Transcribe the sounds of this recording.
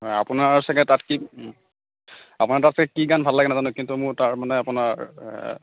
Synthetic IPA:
ɦɔja̰pʊnaɹsaɡɛtatki | apʊnaɹtatskɛkiɡanbʱalːaɡɛnazanʊkintumʊɹtaɹmanɛapʊnaɹ

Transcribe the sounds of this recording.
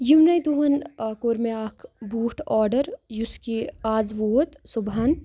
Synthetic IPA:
juwnɐjd̪uɦɐnkoːɾmeaːkʰbuːʈɔːɾɖəɾjuskiaːzʋoːt̪suban

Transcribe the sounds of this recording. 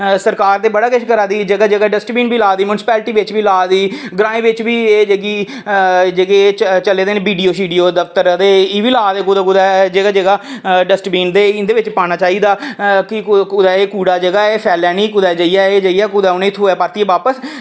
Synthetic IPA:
səɾkaːɾd̪eːbəɽaːkɪʃkəɾaːd̪iːd͡ʒəɡaːd͡ʒəɡaːɖəsʈbiːnbiːlaːd̪iːmʊnɪsɪ̥pɛːlʈiːʋɪt͡ʃbiːlaːd̪iːɡɾãːĩːʋɪt͡ʃbiːeːd͡ʒəɡiː | d͡ʒəɡet͡ʃəleːd̪eːneːbiːɖiːoːʃiːɖijoːd̪əft̪əɾd̪eːiːʋiːlaːd̪eːkud̪aːkud̪aːd͡ʒəɡaːd͡ʒəɡaːɖəsʈbiːnd̪eːɪ̃nd̪eːʋɪt͡ʃpaːɽ̃aːt͡ʃaːiːd̪aːkɪkʊd̪aːeːkuːɽaːd͡ʒəɡaːeːpʰɛːlɛːniːkʊd̪aːd͡ʒəijaːeːd͡ʒəijɛːkʊd̪aːʊnẽːɪt̪ʰːoːɛːpəɾt̪iɛːʋaːpəs

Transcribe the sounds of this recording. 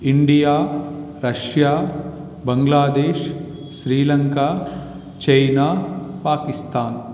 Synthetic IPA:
iɳɖijaːɾɐʃjaː | bɐŋɡlaːd̪eːʃ | ʃɾiːlɐŋkaː | t͡ʃɐjnaːpaːkist̪aːn

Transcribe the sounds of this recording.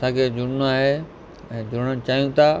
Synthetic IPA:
sãːkʰed͡ʑʊɽnũaːɦe | ɛ̃ːd͡ʑʊɾɽət͡ɕaːijũt̪ʰaː

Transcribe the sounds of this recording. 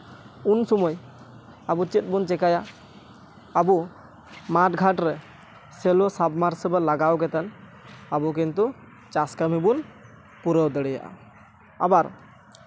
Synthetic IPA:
unsɔmɔj | abut͡ʃit̪̚bunt͡ʃɛkaja | bu | maʈɡʱaʈɾɛ | sɛlɔsabmaɾsəbalaɡawkɛt̪ɛn | abuk̬int̪u | t͡ʃaskamibun | puɾəwd̪əɽɛja̰ʔa̰ | a̰baɾ

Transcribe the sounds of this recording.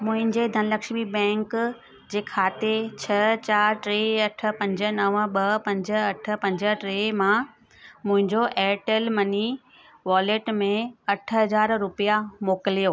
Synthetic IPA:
mʊ̃ɦɪ̃ɲd͡ʑed̪ʱɐnɪlɐkʃmibɛ̃ːŋk | d͡ʑeːkʰaːt̪et͡ɕʰɐt͡ɕaːɾʈɾeɐʈʰə̆pɐ̃ɲd͡ʑə̆nɐʋɓɐpɐ̃ɲd͡ʑəɐʈ̆ʰpɐ̃ɲd͡ʑə̆ʈɾeːmã | mʊ̃ɦɪ̃ɲd͡ʑoʔɛːʈəlmɐni | ʋaːleːʈmẽɐʈʰɦɐzaːɾɾʊpijamoːkɪlijoː

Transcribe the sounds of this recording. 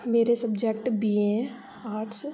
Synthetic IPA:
meːɾesəbd͡ʒek̚ʈbiːẽ | aːɾʈs

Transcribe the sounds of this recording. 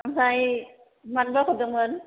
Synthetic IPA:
amsaj | manbaːkʰodɯmɯn

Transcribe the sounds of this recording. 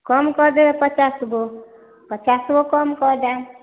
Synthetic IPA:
kʌmkɔd̪epət͡ʃasɡo | pət͡ʃasɡokɔmkɔd̪a

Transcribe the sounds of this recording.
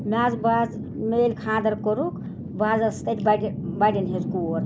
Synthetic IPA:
mʲaːzbaːz | meːlkʰãːd̪əɾkoɾuk | baːzɐst̪ətʰʲbaɖbaɖinɦezkuoɾ

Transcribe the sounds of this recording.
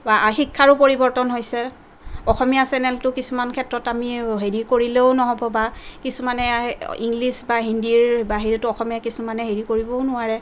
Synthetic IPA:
baxikʰːaɹʊpoɹibɔɹtɔnɦojsɛ | ɔxɔmijasɛnɛltʊkisumankʰɛtɹɔtamiɦeɹikoɹileʊnɔɦɔbɔbakisumanɛiŋɡlisbaɦindiɹbaɦiɹitʊɔxɔmijakisumanɛɦeɹikoɹibɔʊnʊwaɹɛ

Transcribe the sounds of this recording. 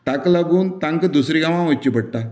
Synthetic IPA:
ʈaklaɡuːnt̪ãŋkd̪usɾiɡãʋãʋət͡ɕːipəɽ̚t̪a

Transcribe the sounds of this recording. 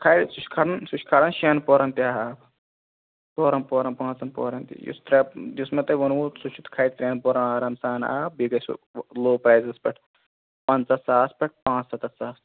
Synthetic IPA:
kʰajsuʃkʰɐɽɐnsuʃkʰɐɽɐnʃenpoːɾɐnt̪iaːɦaːb | toːɾɐnpoːɾɐnpãːnt͡sɐnpo̰ːɾɐnt̪ḭjṵst̪ɾɐd͡ʒ̪ismɐt̪ɐʋɐnusut͡ʃʰut̪kʰaːjt̪ɾʲeːnpoːɾɐnaːɾɐmsaːna̰ːb̚biɡɐsloːpɾaːjzɐspʲɐʈʰ | pɐnt͡sɐsaːspʲɐʈ̚ʰpãːt͡ssɐt̪ɐsaːs

